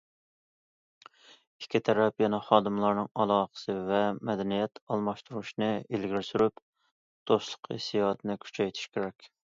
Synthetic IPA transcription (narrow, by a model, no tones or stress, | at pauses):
ikʲʰːit̪ʰɛɾɛpjɛnɛχɑːd̪ɨmlˠɑɾnɨŋɑlˠɑːχə̥sɨvɛmɛd̪ɛnijɛt̪ɑlˠmɑʃt̪uɾuʃnɨelɡʲiɾsyɾyp | d̪̥oslˠəqʰḛsijɑt̪ʰɨnɨkʲʰy̥t͡ʃʰɛjt̪ʰy̥ʃkʲʰeɾɛkʲ